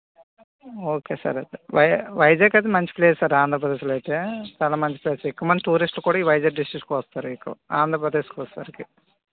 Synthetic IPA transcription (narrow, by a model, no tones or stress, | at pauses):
oːkeːsɐ̰ɾɐd̪eʋɐjʋɐjd͡ʒeːkɐd̪emɐɲt͡ʃi̥pleːssaːɾaːnd̪ɾɐpɾɐd̪eːʃ̬lɐjt̪eːt͡ʃaːlaːmɐɲt͡ʃipleːsaɾikːɐmɐnd̪iʈuːɾisʈlukuːɽaːiːʋɐjd͡ʒɐɖisʈɾikʈːkʋɐst̪aːɾuikːɐaːnd̪ʱɾɐpɾɐd̪eːskʋɐsɐ̰ɾiki